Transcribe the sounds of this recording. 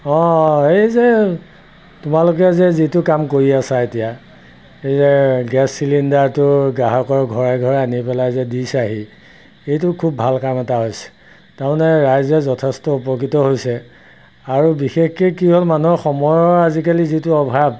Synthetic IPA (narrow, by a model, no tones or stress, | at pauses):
ɔ̃ejzɛ | tʊmalʊkɛzɛzitʊkamkoɹiasaetija | ejzɛɡɛsːilindaɹtʊɡaɦɔkɔɹɡʱɔɹaɡʱɔɹanipɛlajzɛdisaɦi | ejtʊkʰubʱalkamɛtaɦojsɛ̥ | taɹmanɛɹajzɛzɔtʰɛstɔupɔkitɔɦojsɛ | aɹubixexkekiɦolmanɔɹxɔmɔjɔɹazikalizitʊɔbʱab̚